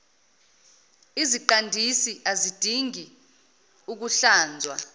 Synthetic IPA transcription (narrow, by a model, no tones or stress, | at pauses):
iziǃandʱisiʔazid̥ʱiŋi | uk̬uɬaːnd͡zʱwa̰